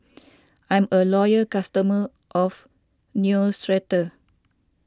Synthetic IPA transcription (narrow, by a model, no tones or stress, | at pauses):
ʔãj̃məlɔjəkastəmə | ʔɔf | njusɹɛtə